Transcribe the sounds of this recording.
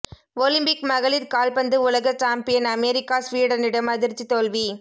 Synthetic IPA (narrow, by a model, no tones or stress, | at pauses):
olɪmbɪkmɐɣɐɭɪɾkaːlpɐnd̪ɯʊlɐɣɐt͡ʃaːmpɪjɐnɐmeːɾɪkːaːsʋiːɽɐnɪɽɐmɐðɪɾt͡ʃːit̪ɔlʋi